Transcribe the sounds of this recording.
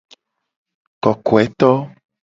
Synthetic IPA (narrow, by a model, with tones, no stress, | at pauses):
kɔ˨ko˨ɛ˦t̪ɔ˦